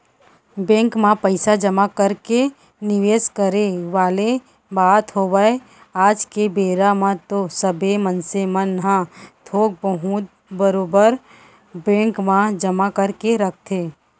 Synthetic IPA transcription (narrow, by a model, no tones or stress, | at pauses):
bɛ̃ːŋkmãpəɪsad͡ʒəmakəɾke | nɪʋeːskəɾeʋaːle | baːt̪ɦoːʋəe | aːd͡ʒkebeːɾamãt̪osəbʱemənsemənɦãt̪ʰoːɡ̚bəɦut̪ | bəɾoːbəɾ | bẽːŋkmãd͡ʒəmakəɾkeɾək̚ʰt̪ʰeː